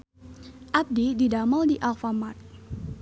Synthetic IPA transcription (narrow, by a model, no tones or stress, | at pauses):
ʔab̚dididamaldiʔalfamat̪̚